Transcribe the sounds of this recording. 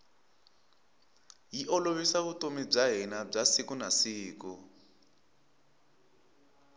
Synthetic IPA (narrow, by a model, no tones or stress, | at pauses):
jiʔɔloβisaβutomib͡ʐaɦinab͡ʐasikunasiːku